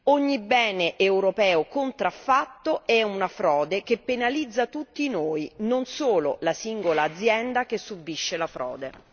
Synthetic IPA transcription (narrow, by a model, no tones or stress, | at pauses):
oɲːibɛːneʔewɾopɛːokont̪ɾafːat̪ːoɛunafɾɔːd̪ekepːenalid̪zːat̪ut̪ːinoːinonsoːlo̰lasiŋɡolaːd̪zːjɛnd̪akesːubːiʃːelafɾɔ̰ːd̪ḛ